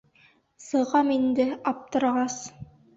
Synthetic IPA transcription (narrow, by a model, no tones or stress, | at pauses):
sɤ̆ʁɑmind̪ɘɑp̚t̪ɤ̆ɾʁɑs